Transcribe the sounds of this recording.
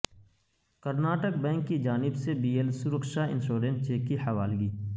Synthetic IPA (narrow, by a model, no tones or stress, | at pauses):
kəɾnaːʈək̚bɛ̃ːŋkːid͡ʒaːnɪbsebiːelsʊɾəkʃaːɪ̰̃nʃoːɾẽnʈ̚t͡ʃeːkːihɐʋaːlɡiː